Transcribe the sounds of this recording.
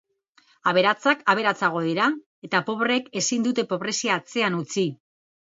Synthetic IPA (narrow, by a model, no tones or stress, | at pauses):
aβ̞e̞ɾat͡sakaβ̞e̞ɾat͡saɣ̞o̞ðeɾa | e̞t̪apo̞βreke̞sind̪ut̪e̞po̞βɾe̞siaːt͡se̞anut͡si